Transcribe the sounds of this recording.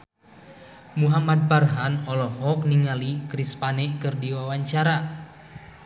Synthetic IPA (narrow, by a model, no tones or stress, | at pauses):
muɦamad̚barɦanɔlɔɦɔk̚niŋalikɾispanɛkɨrdiwawaɲt͡ʃaɾa